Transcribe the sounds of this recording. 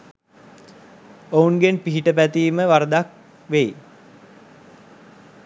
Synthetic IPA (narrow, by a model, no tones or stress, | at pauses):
ounɡenpiɦiʈəpæt̪iːməʋaɾd̪ak̚ | ʋej